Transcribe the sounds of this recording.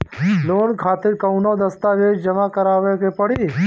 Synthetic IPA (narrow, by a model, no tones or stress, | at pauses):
loːnkʰaːt̪ɪɾkɐʊnod̪ɐst̪aːʋeːd͡ʒd͡ʒɐmãkɐɾaːʋekepəɽiː